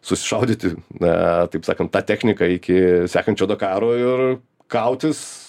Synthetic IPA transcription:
sʊsʲɪ̥ʃɐʊd̪ʲɪːt̪ʲɪnɛ̰t̪ɐɪpsɑːkɐnt̪t̪ːɑːt̪ʲæːxʲnʲɪkɐɪkʲɪsʲæːkɐnt̪t͡ʃʲoːd̪oːkɑːɾoːɪr | kɐʊt̪ʲɪs

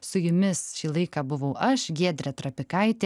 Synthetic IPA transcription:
sʊjʊmʲɪsʃʲiːlˠɐɪkɑːbʊʋɐʊʔɐʃɡʲiɛd̪ʲɾʲɛt̪ɾɐpʲɪkɐɪt̪ʲe

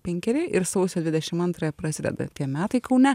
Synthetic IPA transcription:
pʲɛŋʲkʲɛɾʲeʔɪɾsɐʊsʲod̪ʲʋʲɪd̪ʲɛʃʲɪmɐnt̪ɾɐjɛpɾɐsʲɪd̪ʲɛ̰d̪ɐ̰t̪ʲiɛmʲæːt̪ɐɪkɐʊnʲɛ

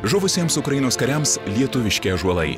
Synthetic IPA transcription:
ʒʊʋʊsʲiɛmsʊkɾɐjinoːskɐɾʲɛmslʲiɛt̪ʊʋʲɪʃʲkʲeːʒuɔlˠɐɪ

